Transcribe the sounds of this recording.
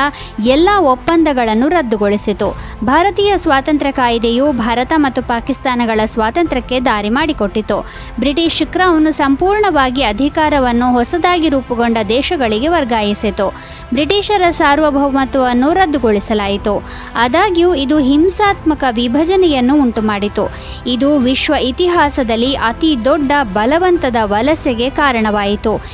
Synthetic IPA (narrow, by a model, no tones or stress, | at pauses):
ɐ | ɛlːɐɔpːɐnd̪ɐɡɐɭɐnːuɾɐd̪ːuɡoɭisit̪u | bʱaːɾɐt̪iːjɐsʋaːt̪ɐnt̪ɾɐkaːjid̪ejuːbʱaːɾɐt̪ɐmɐt̪ːupaːkist̪aːnɐɡɐɭɐsʋaːt̪ɐnt̪ɾɐkːe̞d̪aːɾimaːɽiko̞ʈːit̪ːu | bɾiʈiːʃːikɾɐːʋɐnusɐmpuːɾɳɐʋaːɡiɐd̪ʱikaːɾɐʋɐnːuɦɔsɐd̪aːɡiɾuːpuɡo̞ɳɖɐd̪ɛːʃɐɡɐɭiɡe̞ʋɐɾɡaːjisit̪u | bɾiʈiːʃɐɾɐsaːɾʋɐbʱɐʋʋɐnt̪ɐʋɐnːuɾɐd̪ːuɡo̞ɭisɐlaːjit̪u | ɐd̪aːɡijuid̪uɦimsaːt̪mɐkɐʋibʱɐd͡ʒɐnɛjɐnːuːɳʈumaːɽit̪u | id̪uʋiʃʋɐit̪iɦaːsɐd̪ɐlːiʔɐt̪id̪ɔɖːɐbɐlɐʋɐnt̪ɐd̪ɐʋɐlɐsjɐɡe̞kaːɾɐɳɐʋaːjit̪u